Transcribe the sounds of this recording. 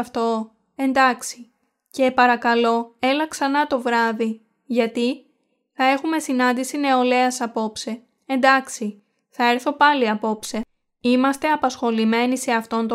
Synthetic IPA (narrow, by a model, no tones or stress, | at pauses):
ft̪o̞ | e̞nd̪ɐksi̥ | ce̞pɐɾɐkɐlo̞e̞lɐksɐnɐt̪o̞vɾɐði | ʝɐt̪i | θɐe̞xume̞sinɐnd̪isine̞o̞le̞ɐsɐpo̞pse̞ | end̪ɐksi | θɐeɾθo̞pɐliɐpo̞pse̞ | imɐst̪e̞ɐpɐsxo̞lime̞nise̞ɐft̪o̞nt̪o